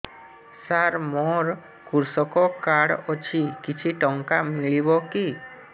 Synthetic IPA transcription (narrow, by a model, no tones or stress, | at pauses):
saɾmɔɾ | kuɾsɔkɔkaɽɔt͡ʃʰikit͡ʃʰiʈɔŋkamiɭibɔki